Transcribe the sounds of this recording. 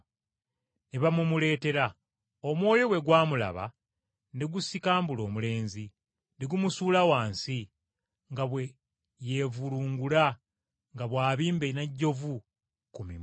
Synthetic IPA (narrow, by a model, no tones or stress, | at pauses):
neβamumule̞ːte̞ɾa | omwo̞ːjo̞we̞ɡwaːmula̰βa̰ | neɡusikaːmbulo̞ːmule̞ːnzi | neɡumusuːlawaːnsi | ŋɡaβwe̞ | je̞vuluːŋɡula | ŋɡaβwaːβiːmbeinaɟːo̞vu | kumi